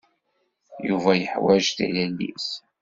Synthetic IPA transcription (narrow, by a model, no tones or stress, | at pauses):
juvæjəħwæʒθḭlælːḭs